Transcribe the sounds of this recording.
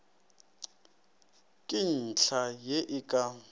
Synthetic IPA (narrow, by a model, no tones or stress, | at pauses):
kʼin̩t͡ɬʰajeʔɪkʼa